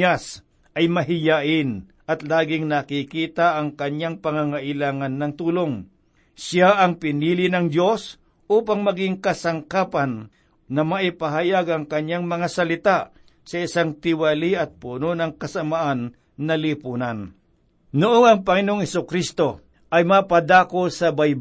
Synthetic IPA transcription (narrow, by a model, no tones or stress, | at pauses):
as | ʔɐjmɐɦɪjaʔɪn | ʔɐt̪laːɡɪŋnɐkikiːt̪aʔɐŋkɐɲjaŋpɐŋaŋaʔɪlaːŋanːɐŋt̪uːloŋ | saʔɐŋpɪniːlɪnɐŋd̪jo̞s | ʔuːpaŋmɐɡɪŋkɐsɐŋkaːpanː | ɐmɐʔɪpɐɦɐjaɡɐŋkɐɲːaŋmɐŋasɐlɪt̪aʔ | sɐɪsaŋt̪ɪwaliʔɐt̪̚punonɐŋkɐsɐmaʔanː | ɐlipuːnan | nʊʔoŋɐŋpɐŋɪnooŋhɛsʊkɾist̪o̞ | ʔɐjmapɐd̪aːkosɐbajb